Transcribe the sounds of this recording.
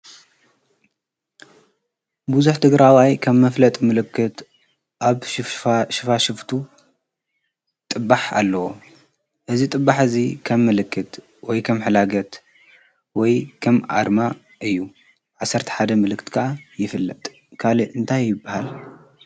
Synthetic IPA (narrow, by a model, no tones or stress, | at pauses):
buzuħt̪ʰɨɡɾawajkʰɐmːɐflɐt̪ʼmɨlɨkːɨt̪ | ʔaβ | ʃɨfaʃɨft̪ʰu | t̪ʼɨbːaħa̰lːɐwo | ʔɨzit̪ʼɨbːaħɨzikʰɐmːɨlɨkːɨt̪ | wɔjkʰɐmħɨlaɡɐt̪ | wɔjkʰɐmʔa̰ɾma | ʔɨjːu | ʕasːɐɾt̪ʰɐ̥ħad̪ɐmɨlɨkʰːɨt̪kʰaʔajɪfɨlːɐt̪ʼ | kʰaliɨnt̪ʰajːɪbːahal